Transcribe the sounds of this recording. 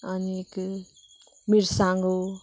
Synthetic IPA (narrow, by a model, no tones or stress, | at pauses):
anik | miɾsãŋɡo